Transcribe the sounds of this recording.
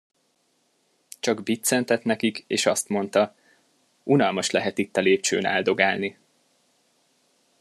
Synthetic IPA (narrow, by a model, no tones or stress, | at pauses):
t͡ʃɒɡbit̪sɛnt̪ɛt̪nɛkikeːʃɒst̪mo̞nt̪ɒ | unɒlmɒʃlɛɦɛt̪it̪ːɒleːp̚t͡ʃø̰ːnɛ̰ld̪o̞ɡaːlni